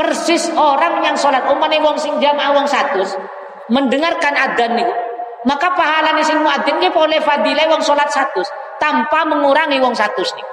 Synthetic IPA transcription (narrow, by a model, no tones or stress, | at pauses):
pərsɪsoɾaŋɲaŋsolat̪̚omanewɔŋsɪŋd͡ʒamaʔawɔŋsat̪ʊs | mənɖəŋarkanad̪anːiku | makapaɦalanesɪŋmuad̪ankepolɛfad̪ilɛwɔŋsolat̪̚sat̪ʊs | t̪ampaməŋuɾaŋiwɔŋsat̪ʊsniku